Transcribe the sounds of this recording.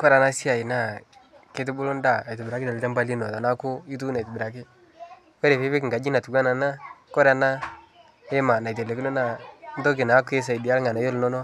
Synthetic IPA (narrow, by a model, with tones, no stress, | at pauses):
kɔ˦ɾa˨na˦si˦a˨i˨na˦˨ | ke˦t̬ɪ˦bu˦lʊ˦nda˦˨a˨tɪ˨bɾa˨˦ki˦ta˨li˨˦ta˦mba˦li˦nɔ˨ta˨na˦kʊ˦i˦tu˦na˨tɪ˨bɪ˨ɾa˨k̬ɪ˦ | wɛ˦ɾe˨fe˦βɪ˦kŋ̩˨ɡa˨d͡ʒi˦na˨tu˨ɡa˦na˨na˦kɔ˦ɾa˨na˦ | e˦ma˨na˨jt̬e˨le˨kɪ˦nɔ˦na˦n˦do˦k̬i˨na˨˦ke˦s̬a˨i˨di˨a˦lŋa˨na˨jo˦lnɔ˦nɔ˦